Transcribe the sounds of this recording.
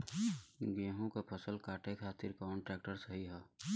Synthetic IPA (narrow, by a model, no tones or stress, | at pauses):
ɡẽːɦõkapʰəsəlkaːʈʰekʰaːt̪ɪɾkɔːɳʈɾɛːk̚ʈəɾsəɦiɦɛː